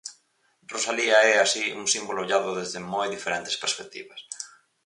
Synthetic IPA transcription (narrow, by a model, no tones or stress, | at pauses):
rosaliaɛasiuŋsimboloːʎaðʊðezðɪmojðifeɾent̪e̥speɾspek̚t̪ḭβɐs